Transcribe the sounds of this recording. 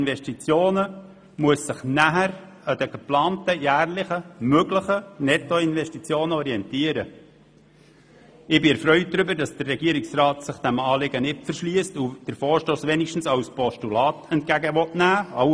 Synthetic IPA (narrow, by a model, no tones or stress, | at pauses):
nʋɛʃtit͡sjoːnə | muəsːɪχnæɦəɾ | əd̥əɡ̥əplɑːntəjæːrlɪχəmøɡləχənɛtoɪnʋɛʃtit͡sjoːnəɔɾiɛntiəɾə | ɪbɪɛɾfɾœʏt̚d̥ɾʏbəɾdɑsd̥ərːɛɡiəɾɪksrɑːtsɪχd̥æmɑːlɪɡənɪtfəɾʃliəstud̥əɾfɔːɾʃtoːsʋɛnɪʃtn̩sɑwspɔʃtulɑːtɛntkæɡəʋɔtnæːɑ